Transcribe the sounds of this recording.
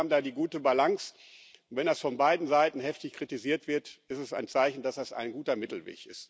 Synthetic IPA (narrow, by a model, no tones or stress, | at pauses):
abm̩daːdiːɡuːtəbalaŋs | nv̥ɛndasfɔnbaɪdn̩zaɪtn̩ɦɛftɪçkʁ̥itiziːɐtv̥ɪɐtɪstɛsa̰ɪnt͡saɪçn̩dasd̥asa̰ɪnɡuːtɐmɪtl̩vḛːçɪ̰st